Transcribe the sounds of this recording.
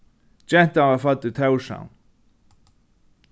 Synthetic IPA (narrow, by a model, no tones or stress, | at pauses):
t͡ɕɛn̥t̪avafat̪ːʏt̪ʰɛwʂa̰wn